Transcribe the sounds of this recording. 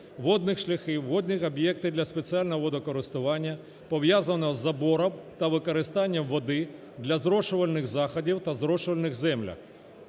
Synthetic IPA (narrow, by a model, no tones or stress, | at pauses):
ʋɔd̪nɪxʃlʲɐxɪwːɔd̪nʲixɐbjɛk̚t̪ɪd̪lʲɐspet͡sʲialʲnɔʋɔd̪ɔkɔɾɪst̪ʊʋɑnʲːɐ | pɔʋjazɐnɔzːɐbɔɾɔmt̪ɐʋɪkɔɾɪst̪ɑnʲːɐmʋɔd̪ɪ | d̪lʲɐzɾɔʃʊʋɐlʲnɪɣzɑxɔdʲiwt̪ɐzɾɔʃʊʋɐlʲnɪɣzɛmlʲɐ̰x